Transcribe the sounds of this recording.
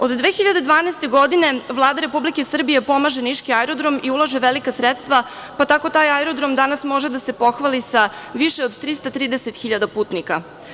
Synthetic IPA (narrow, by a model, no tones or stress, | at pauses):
o̞d̪d̪ʋeːxiʎad̪e̞d̪ʋaːneːst̪e̞ɡo̞d̪ine̞ʋlˠaːd̪aɾe̞publikesr̩bije̞po̞maʒeniʃkiaɛɾo̞d̪ɾo̞miulˠaʒe̞ʋelikasɾet̪st̪ʋa | pat̪ako̞t̪aːjaɛɾod̪ɾo̞md̪anasmo̞ʒed̪ase̞po̞xʋalisaʋiʃeod̪t̪ɾist̪at̪ɾiːd̪eset̪xiʎad̪apuːt̪nika